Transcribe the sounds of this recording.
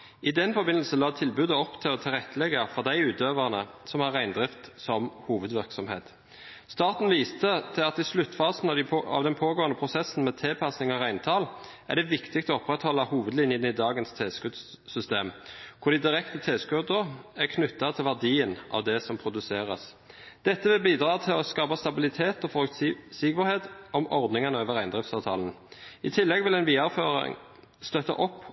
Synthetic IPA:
ʔɪd̪ɛnfɔbɪnəlsəlɑːt̪ʰɪlbʉːd̪əɔpt̪ʰɪlɔt̪ʰɪlʁɛt̪ːəlɛɡɑfɔʁd̪æɪʉːt̪øːʋəʁnəsɔmhɑʁæɪnd̪ʁɪft̪sɔmhuːʋəd̪ʋɪʁksɔmheːt̪ | st̪ɑːʁt̪n̩ʋiːst̪ət̪ʰɪlɑt̪ɪslʉt̪ːfɑːsn̩ɑɑ̰ʋd̪ɛnpʰoːɡoːənəpʰʁʊsɛsn̩mɛːt̪ʰɛːpʰɑsnɪŋɔʁæɪnt̪ʰɑːl | ʔæ̰ʁɖ̪ɛʋɪkt̪ɪk̚t̪ɔɔpʁɛt̪hɔlːɑhuːʋəd̪lɪnjənəəd̪ɑːɡənst̪ʰeːskʉd̪s | sʏst̪eːmkʰʊd̪ɪd̪ɪʁɛkt̪ət̪ʰeːskʉd̪əʁækʰnʉt̪ːɑt̪ʰɪlʋæʁd̪iːənʔɑ̰ʋd̪ɛsɔmpʰɾʊd̪ʉseːʁə̰s | d̪̥ɛt̪ːəʋɪlbiːd̪ʁɑːt̪ʰɪlɔskɑːpɑst̪ɑbɪlɪt̪ʰeːt̪ɔfɔɾʉkt̪siːkəʁheːt̪ɔmɔʁd̪nɪŋɑnəøːʋəʁæɪnd̪ʁɪft̪sɑːʋt̪ʰɑːln̩ | ɪt̪ʰɪlːɛɡʋɪlɛnʋiːɑføːʁɪ̰ŋ | st̪œt̪ɑ̰ʔɔpː

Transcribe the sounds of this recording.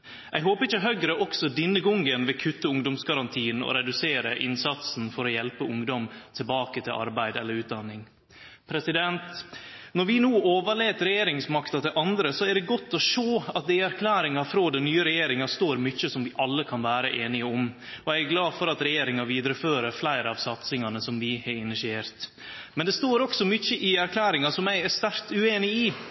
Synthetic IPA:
ʔɛɪɦoːpəɾɪt͡ʃːəɦœɡɾəʔɔksɔd̪ɪnːəɡɔŋɡənʋɪkʰʉt̪ːəʊŋd̪ɔmsɡɑɾɑnt̪ʰiːənɔ̰ɾɛd̪ʉseːɾəʔɪ̰nsɑt̪sn̩fɔɾɔjɛlpəʊŋd̪ɔmt̪ʰɪlbɑːkət̪ʰɪlʔɑ̰ɾbæɪd̪ɛlːəɾʉːt̪̚d̪ɑnːɪŋ | pʰɾɛsɪd̪ɛnt̪nɔɾʋɪnuːoːʋəɭeːt̪ɾɛjeːɾɪŋsmɑkt̪ɑt̪ɪlʔɑnd̪ɾəsɔæɖɛɡɔt̪ːɔʂoːɑt̪̚d̪ɛɪæɾkʰlæːɾɪŋɑfɾoːd̪ɛnnyːəɾɛjeːɾɪŋɑst̪oːɾmʏçəsɔmʋɪʔɑlːəkʰɑnʋæːɾəʔeːnɪəɔmɔjæɪæɡlɑːfɔɾɑt̪ɾɛjeːɾɪŋɑʋiːd̪ɾəføːɾəɾflæɪɾəɑːʋsɑt̪sɪŋɑnəsɔmʋɪhɑɾɪnɪsɪeːɾt̪ | mɛnd̪ɛst̪oːɾɔksɔmʏçəʔɪæɾkʰlæːɾɪŋɑsɔmæɪæst̪æɾt̪ʉeːnɪiː

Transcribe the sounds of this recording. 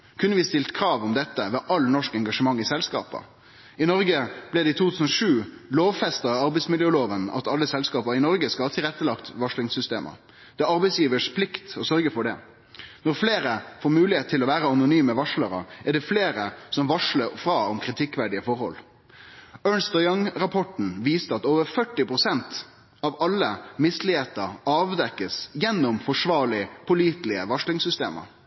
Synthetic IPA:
kʰʉnːəʋɪst̪ɪlt̪kʰɾɑːʋɔmd̪ɛt̪ːəʋɛʔɑlnɔʂkɛŋɡɑʂəmɑŋːɪsɛlskɑ̰ːpə̰ | ɪnɔɾɡəb̥lɛd̪ɛɪt̪ʰuːt̪ʰʉːsən̩ɔʂʉːloːʋfɛst̪ɑɑɾbɛɪsmɪljøəːloːʋənɑ̰t̪ɑlːəsɛlskɑːpəɾɪnɔɾɡəskɑhɑːt̪ʰɪlʁɛt̪ːəlɑkt̪ʋɑʂlɪŋsʏst̪ḛːmʔə̰ | d̪̥ɛːɑɾbɛɪsjiːʋəʂpʰlɪkt̪ɔsœɾɡəfɔɖɛ | nɔɾfleːɾəfoːɾmʉːlɪeːt̪t̪ʰːɪlɔʋæːɾəɑnʊnyːməʋɑʂləɾə̰æɖɛfleːɾəsɔmʋɑʂləɾfɾɑːɔmkʰɾɪt̪ʰɪkːʋæɖɪəfɔɾhɔ̰l | œːɳst̪ɑjɑŋɾɑpʰɔʈn̩ʋiːst̪əɑt̪oːʋəɾfœʈːɪpʰɾʊsɛnt̪ | ɑʋɑlːəmɪslɪeːt̪əɾɑːʋd̪ɛkːəsjɛnːʊmfɔʂʋɑːɾɭɪpʰʊliːt̪lɪəʋɑʂlɪŋsʏst̪ḛːmə̰ɾ

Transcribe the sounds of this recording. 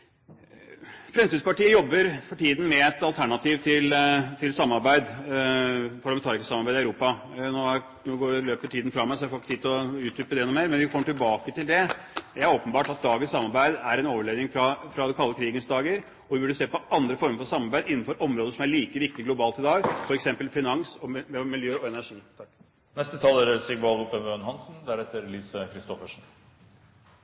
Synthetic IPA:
fɾɛmsɪd̪spɑʈiːəjɔbːəɾfɔʈʰiːd̪n̩mɛɛt̪ɑlt̪ʰæɳɑt̪ʰiːʋt̪ʰɪlt̪ʰɪlsɑmːɑɾbæɪd̪ | pʰɑɭɑmɛnɑːɾɪkəsɑmɑɾbæɪd̪ɪæʉɾuːpɑnoː | noːɡoːɾəløːpəʈʰiːd̪n̩fɾɑmæɪsɔɛæɾfoːlkːə̥t̪iːd̪t̪lɔʉːt̪̚d̪ʏːpəd̪ɛɛnːʊmeːɾmɛnʋɪkʰɔmːəʈɪlbɑːkət̪ʰɪld̪ɛ | jææɾoːpənbɑːʈɑt̪̚d̪ɑːɡənsɑmːɑɾbæɪd̪æɾɛnoːʋəɭeːd̪nɪŋfɾɑfɾɑd̪ɛkʰɑlːəkʰɾiːɡənsd̪ɑːɡəɾ | ɔʋɪbʉɖəseːpɔɑnd̪ɾəfɔɾməɾfɔɾsɑmːɑɾbæɪd̪ɪn̩ːfɔɾʔɔmɾoːd̪əʂɔmæɭiːkəʋɪk̚t̪ɪɡlʊbɑːlt̪ɪd̪ɑːɡfɔɾɛksɛmpəlfɪnɑŋsɔmɛmɪljøːɔɛnæʂiːt̪ʰɑkː | nɛst̪ət̪ʰɑːlæɾsɪɡʋɑːld̪ʊp̪əmøːnɦɑnsn̩d̪æɾɛt̪ːəɾliːsəkʰɾɪst̪ɔfəʂn̩

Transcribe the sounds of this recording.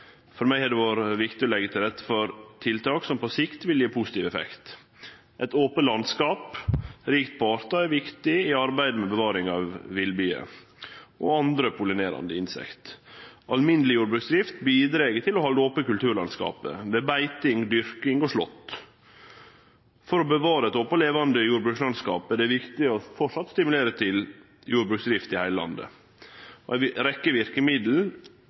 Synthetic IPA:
fɔɾmæɪhɛɖ̪ɛʋɑːɾəʋɪkt̪ɪɔlɛɡːət̪ʰɪlɾɛt̪ːə̥fɔɾt̪ʰɪlt̪ʰɑːksɔmpɔsɪkt̪ʋɪljeːpʰusɪt̪iːʋɛfɛ̰kt̪ | ʔɛt̪oːpəlɑnskɑːpɾiːkt̪̚pʰɑːɾt̪ɑæɾʋɪkt̪ɪɪɑɾbæɪd̪mɛbəʋɑːɾɪŋɑʋːɪlbyːə̰ | ʔɔ̰ɑnd̪ɾəpʰʊlɪneːɾɑ̰nd̪əɪnsɛ̰kt̪ɑlmɪnːəlɪjuːɾbɾʉːksd̪ɾɪft̪biːd̪ɾeːɡət̪ʰɪlɔhɑld̪əopəkʉlt̪ʰʉːɾɭɑnskɑ̰ːpə̰ʋebæɪt̪ɪŋd̪ʏɾkɪŋɔʂlɔ̰t̪ː | fɔɾɔbəʋɑːɾəɛt̪opəleːʋɑnd̪əjuːɾbɾʉːkslɑnskɑ̰ːpæɖɛʋɪkt̪ɪɔfɔʂɑt̪st̪ɪmʉleːɾət̪ʰɪl | juːɾbɾʉːksd̪ɾɪft̪ɪhæɪləlɑ̰nd̪ə̰ | ɔæɪɾɛkːəʋɪɾkəmɪd̪l̩

